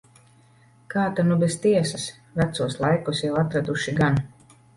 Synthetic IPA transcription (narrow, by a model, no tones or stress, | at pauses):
kaːt̪anubest̪iɛsas | væt̪suɔslˠajkusjawat̪ɾad̪uʃiɡan